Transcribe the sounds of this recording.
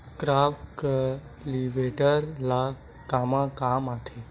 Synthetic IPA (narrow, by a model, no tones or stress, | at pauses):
kɾaːpkə | liʋeʈəɾla | kamãkaːmat̪ʰe